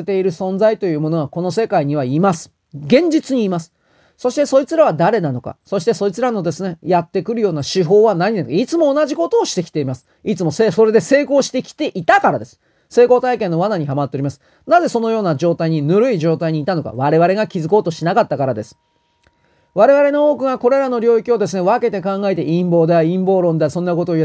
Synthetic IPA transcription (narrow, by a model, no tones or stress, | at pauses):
et̪e̞iɾɯ̟sõ̞nd͡zait̪o̞jɯ̟ːmo̞no̞ako̞no̞se̞kaiɲ̟iβaimasɨ̥ | ɡẽ̞ɲ̟d͡ʑit͡sɨɲ̟iːmasɨ̥ | so̞ɕi̥t̪e̞so̞ɾʲit͡sɨɾaβad̪aɾe̞nano̞ka̰so̞ɕi̥t̪e̞so̞ɾit͡sɨɾano̞d̪e̞sɨne̞jat̪ːe̞kɯ̟ɾɯ̟jo̞ːnaɕiɦo̞ːβanaɲinankait͡sɨmo̞ːnaʑiko̞t̪o̞ːɕi̥t̪e̞kʲi̥t̪e̞imasɨ̥ | it͡sɨmo̞seso̞ɾe̞d̪e̞se̞ːko̞ːɕi̥t̪e̞kʲi̥t̪e̞ʔit̪akaɾad̪e̞sɨ̥ | se̞ːko̞ːt̪aikẽ̞nːo̞βanaɲ̟iɦamat̪ːeoɾimasɨ̥ | naze̞so̞no̞jo̞ːnad͡ʑo̞ːt̪aiɲ̟inɯɾɯ̟iʑo̞ːt̪aiɲ̟iːt̪ano̞ka̰βaɾe̞βaɾe̞ɡakʲizɨko̞ːt̪o̞ɕinakat̪ːakaɾad̪e̞sɨ̥ | βaɾe̞βaɾe̞no̞oːkɯ̟ŋako̞ɾe̞ɾano̞ɾʲo̞ːikʲio̞d̪e̞s̬ɨne̞β̞ake̞t̪e̞kãŋɡae̞t̪̬e̞ʔĩmbo̞ːd̪eaĩmbo̞ːɾõ̞nd̪easõ̞nːako̞t̪oːi